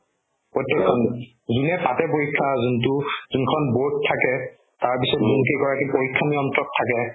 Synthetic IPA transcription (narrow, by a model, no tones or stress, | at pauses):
pɹɔtjɛkʰːɔn | zunɛpatɛpoɹikʰːazuntʊzunkʰɔnboɹttʰːakɛ | taɹpisɔtzunkikɔɹakipoɹikʰːaniɔntɹɔtʰːakɛ